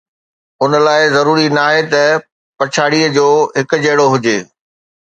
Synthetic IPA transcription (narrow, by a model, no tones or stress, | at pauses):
ʊnə̆laːɪzɐɾuːɾinaːɦet̪ɐ | pɐt͡ɕʰaːɽiəd͡ʑoːɦɪkʊ̆d͡ʑɐɦɪɽoɦʊd͡ʑeː